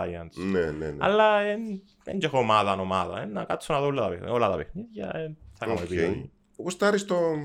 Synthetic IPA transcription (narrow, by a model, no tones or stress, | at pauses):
ajɐnsnenenɐ̰lːɐen | eɲd͡ʒexomɐðɐːnomɐðɐ̰enɐkat̪t͡sːunɐðolːɐt̪ɐpeolɐt̪ɐpexniðʝɐ̰eθɐkamepi | post̪ɐɾist̪o